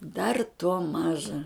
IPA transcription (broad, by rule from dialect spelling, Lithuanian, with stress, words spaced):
dɐr tuɔ ˈmɑːʒɐ